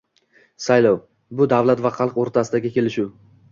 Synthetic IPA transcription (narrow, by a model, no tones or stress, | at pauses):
sajlɒw | bʊd̪avlat̪vaqɑlˠqoɾt̪ʰasɪd̪aɡʲɪkʲe̞lɪʃʊ